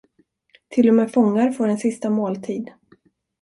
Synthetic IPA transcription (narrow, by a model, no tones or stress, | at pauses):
t̪ʰɪlːɔmeːfɔŋːaɾfoːɖɛnsɪst̪amoːlt̪ʰiːd̪